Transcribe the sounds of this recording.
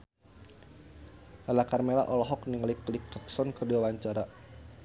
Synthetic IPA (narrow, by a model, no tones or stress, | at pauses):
alakarmela̰ʔɔlɔɦɔk̚niŋliklik̚tɔksɔnkərdiawaɲt͡ʃaɾa